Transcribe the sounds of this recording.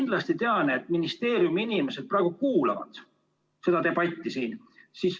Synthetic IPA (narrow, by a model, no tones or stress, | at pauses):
nd̪lɑst̪it̪eɑneet̪ːˑminist̪e̞ːɾjumiinime̞se̞d̪̥̚prɑˑeɡukuːlɑvɑ̰d̪̥ | se̞d̪ɑt̪e̞bɑt̪ʲːisiːn | siːs